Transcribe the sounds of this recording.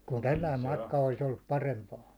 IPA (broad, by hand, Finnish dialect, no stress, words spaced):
kun tælːæim mɑtkɑ olis olːup pɑrempɑːn̞